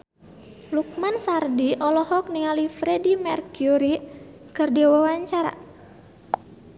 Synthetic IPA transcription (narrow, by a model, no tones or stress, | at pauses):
luk̚mansardiʔɔlɔhɔk̚niŋalifɾɛdimɛrkuɾikɨrdiwawaɲt͡ʃaɾa̰